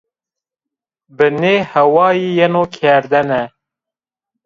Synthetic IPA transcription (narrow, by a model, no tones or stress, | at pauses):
bɨneːhɛwɑːjiːjɛnoːkʰɛɾd̪ɛnɛ